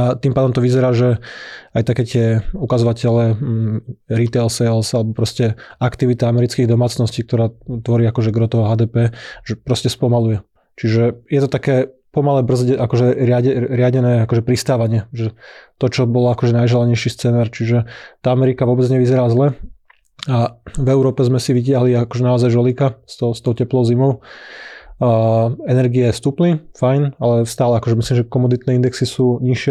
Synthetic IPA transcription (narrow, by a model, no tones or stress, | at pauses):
at̪iːmpaːd̪ɔmt̪ɔʋizɛɾaːʒɛajt̪akɛːt̪ɪɛukazɔʋacɛlɛ | ɾit̪ɛlsɛlsalɛbɔpɾɔscɛakt̪iʋit̪aamɛɾit͡skiːɣd̪ɔmaːt͡snɔsciːk̚t̪ɔɾaːt̪ʋɔɾiːakɔʒɛɡɾɔt̪ɔɦaːd̪ɛːpɛːʒɛpɾɔscɛspɔmalujɛ | t͡ʃiʒɛjɛt̪ɔt̪akɛːpɔmalɛbr̩zɟɛʔakɔʒɛɾɪaɟɛɾɪaɟɛnɛːakɔʒɛpɾist̪aːʋaɲɪɛʒɛt̪ɔt͡ʃɔbɔlɔakɔʒɛnajʒɛlaɲɛjʃist͡sɛːnaːɾt͡ʃiʒɛt̪aamɛɾikaʋʊɔbɛd͡zɲɛʋizɛɾaːzlɛ | avɛʊɾɔːpɛzmɛsiʋicɪaɦliakɔʒɛnaɔzajʒɔlikast̪ɔst̪ɔʊcɛplɔʊzimɔʊ | ɛnɛɾɡiɛst̪uːplifajnalɛst̪aːlɛakɔʒɛmisliːmʒɛkɔmɔd̪it̪nɛːind̪ɛksisuːɲiʃɪɛ